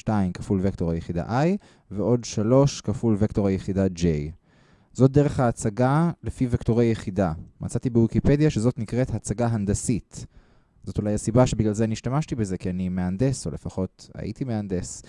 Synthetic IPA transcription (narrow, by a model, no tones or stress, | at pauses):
ʃtaimkafulvekto̞ʁajeχida̰ʔaj | veo̞dʃalo̞ʃkafulvekto̞ʁajeχidad͡ʒej | zo̞t̚d̪e̞ʁe̞χhaːt͡saɡalefivekto̞ʁejeχidamʔa̰t͡satibewikipe̞djaʃezo̞tnikʁe̞thaːt͡saɡaɦand̪asit | zo̞tulajhasibaʃebiɡlalzeniʃtamaʃtibeze̞kianimeande̞so̞̰le̞faχo̞ta̰ʔḭtimeand̪e̞s